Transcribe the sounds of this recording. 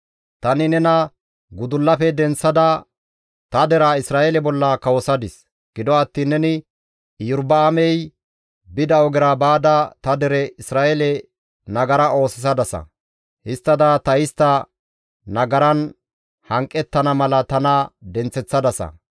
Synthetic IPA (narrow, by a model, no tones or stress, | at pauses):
t̪ɐnɪnɛnɐ | ɡʊd̪ʊlːɐfɛd̪ɛnt͡sːɐd̪ɐ | t̪ɐd̪ɛɾaɪsɾaːʔɛlɛbɔlːɐkɐwɔsɐd̪ɪs | ɡ̥ɪd̪ɔɐt̪ːiːnːɛnɪ | jʊɾbɐːmɛj | bɪd̪ɐɔɡɪɾabaːd̪ɐt̪ɐd̪ɛɾɛɪsɾaːʔɛlɛ | nɐɡɐɾɐʔo̞ːsɪs̬ɐd̪ɐsɐ̰ | hɪst̪ːɐd̪ɐt̪ɐjɪst̪ːɐ | nɐɡɐɾɐn | hɐŋkʼːɛt̪ːɐnɐmɐlɐt̪ɐnɐd̪ɛnt͡sːɛt͡sːɐd̪ɐsɐ̰